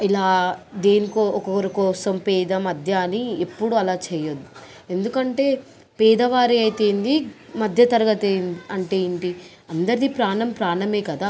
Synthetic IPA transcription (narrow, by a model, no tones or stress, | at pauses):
ilaːd̪eːnikoːɔkɔkɐɾɐkɔːsɐmpɛːd̪ɐmɐd̪ʱjaniepːuɽuɐlaːt͡ʃɛːjod̪ːi̥ | e̞nd̪ukɐɳʈe̞ː | pɛːd̪ɐʋaːɾiɐjt̪eːnd̪i | mɐd̪ʱjɐt̪ɐɾɐɡɐt̪enɐɳʈeːjiɳʈi | ɐnd̪ɐɾid̪ipɾaːɳɐmpɾaːɳɐme̞ːkɐd̪aː